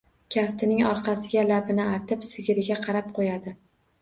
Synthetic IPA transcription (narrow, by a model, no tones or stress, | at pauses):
kʲʰaft̪ʰɪnɪŋɒɾqʰɑsɪɡʲalabɪnɪaɾt̪ʰɪpsɪɡʲɪɾɪɡʲaqʰɑɾap̚qʰojad̪ɪ